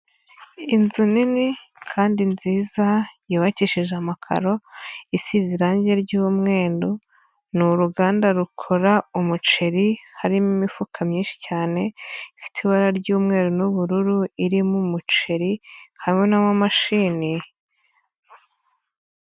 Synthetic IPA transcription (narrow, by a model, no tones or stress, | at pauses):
inzunini | kʰaːndinziːzajoːβaciʃiʒamakʰa̰ɾo̞isiziɾaːɲɟe̞ɾɟumŋe̞ːndo | nuɾuɡaːndaɾukʰo̞ɾaumut͡ʃe̞ɾihaɾimimifukʰamɲiːnʃi̥caːne̞ifi̥tʰiβaɾaɾɟuːmŋe̞ːɾonuβuɾuɾuiɾimumut͡ʃe̞ɾihaɾiŋe̞namamaʃiːni